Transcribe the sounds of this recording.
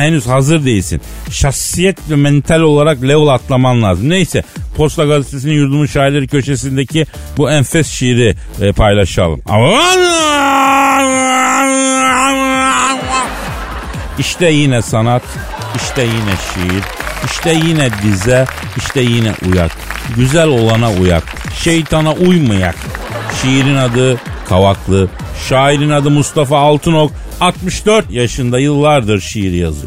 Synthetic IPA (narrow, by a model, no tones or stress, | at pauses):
hɛnyzhazɯɾd̪ejilʲsḭn | ʃaxsijɛt̪vɛmɛnt̪ʰalʲo̞lˠaɾaklʲevulˠat̪lˠamamlˠaːzɯmnejsɛpʰo̞st̪ˠaɡazet̪ʰesininjuɾd̪umuʃaːiɾlʲeɾicʰø̞ʃesind̪ecʰi | buɛnfɛsʃiɾi | pʰajlˠaʃa̰lˠɯ̰ma̰ | iʃt̪ʰɛjinɛsanat̪ | iʃt̪ɛjinɛʃijiɾiʃt̪ʰɛjinɛd̪izɛ | iʃt̪ʰɛjinɛ̰ʔuja̰k̚ɟyzælʲo̞lˠanauja̰k | ʃejt̪ʰanaʔujmaja̰kʃijiɾinad̪ɯkʰavaklˠɯ | ʃaːiɾinad̪ɯmust̪ʰafaːlˠt̪ʰɯnok | at̪mɯʃd̪øɾt̪jaʃɯnd̪ajɯlˠːaɾd̪ɯɾʃijiɾija̰zɯ̰